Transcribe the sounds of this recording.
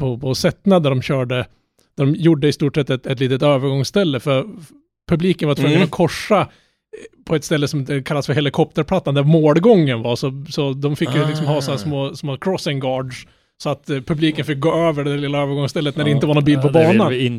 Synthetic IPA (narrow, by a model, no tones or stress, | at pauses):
pʰɔpʰɔsɛt̪ːnad̪æɖɔmɕœːɖə | d̪æɖɔmjuɖːəɪst̪uːʈʂɛt̪ːɛt̪ɛt̪liːt̪ət̪øːvəɾɡɔŋsst̪ɛlːəfœɾ | pʰɵbliːkənvaɾt̪vɵŋŋːənɔkʰɔʂːa | pʰɔɛt̪st̪ɛlːəsɔmd̪ɛkʰalːasfœɾhɛlɪkʰɔp̚t̪əɾpʰlat̪ːand̪æɾmoːlɡɔŋːənvasɔsɔd̪ɔmfɪkːjʉlɪkksɔmhɑːsɔnæʂsmoːsmoːkʰɾɔsɪŋɡɑːɖʂ | sɔat̪pʰɵbliːkənfɪk̚ɡoːøːvəɖɛd̪æɾlɪlːaøːvəɾɡɔŋst̪ɛlːət̪næɖɛɪnt̪əvaɳnɔnbiːlpʰɔbɑːnan